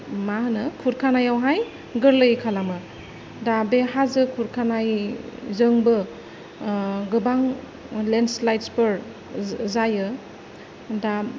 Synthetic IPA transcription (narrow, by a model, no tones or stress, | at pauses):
mahɯnɯkʰuɾkʰanajawɦaj | ɡɯɾlɯjkʰalamɯ | dabeɦazɯkʰuɾkʰanajzɯŋbɯ | ɡɯbaŋ | lenslajtspɯɾ | zajɯ | da